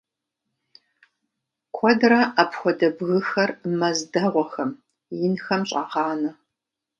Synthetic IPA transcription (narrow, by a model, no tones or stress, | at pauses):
kʷʰɔdrɐʔapxʷɔdɐbɣɨxɐrmɐzdɐʁʷɔxɐm | jɪnxɐmɕʼɑʁɑːnɐ